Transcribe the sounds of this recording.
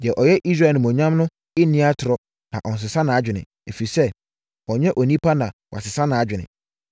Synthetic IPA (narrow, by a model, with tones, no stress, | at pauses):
jɛ˨ʔɔ˨jɛ˦ʔi˦s̬ɾa˨nɪ̃˨mɔ̃˨ɲã˦mnʊ̃˦ | ɪ˦nɪ̃˦a˦tʰʊ˨ɾɔ˦ | nã̰˨ʔɔ˨n̩˨s̬ɪ˨sã˦nã˨a˦d͡ʑᶣɪ˨nɪ̰̃˨ | æ˨fi˨i˨sɛ˦ | wɔ˨ɲɛ̃˦ʔɔ˨nĩ˦pʰa˦nã˨wa̰˨sɪ˨sã˦nã˨a˦d͡ʑᶣɪ˨nɪ̰̃˨